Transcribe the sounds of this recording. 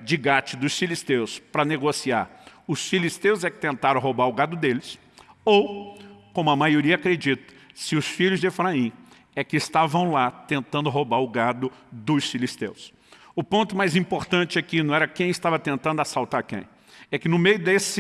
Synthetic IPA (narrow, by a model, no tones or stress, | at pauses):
d͡ʒɪɡat͡ʃɪd̪ʊsfilist̪ewspɾɐneɡosiaɾʊsfilist̪ewzɛkɪ̥t̪ẽnt̪aɾɐ̃w̃ɦobaɾʊɡad̪ʊd̪elɪs | owkõmʊɐmajoɾiɐakɾed͡ʒit̪ɐ̥sɪʊsfiʎʊzd͡ʒ̪efɾaĩ | ɛkɪːst̪avɐ̃w̃lat̪ẽnt̪ɐ̃nd̪ʊɦobaɾʊɡad̪ʊd̪ʊsfilist̪ews | ʊpõnt̪ʊmajzĩpoɾt̪ɐ̃nt͡ʃɪɛkɪnɐ̃w̃ɛɾɐkẽj̃ɪst̪avɐt̪ẽnt̪ɐ̃nd̪ʊasawˠt̪aɾkḛ̃j̃ | ɛkɪnʊmejʊd̪esɪ